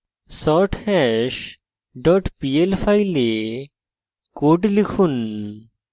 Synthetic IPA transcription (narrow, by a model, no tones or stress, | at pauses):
sɔːʈʰhɛʃ | ɖɔːʈpiːelfʰaːile | koːɖlikʰun